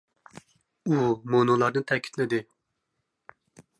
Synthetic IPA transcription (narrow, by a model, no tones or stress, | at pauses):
umonulˠɑɾnɨt̪ʰɛkʲʰi̥t̪ʰlɪd̪ɪ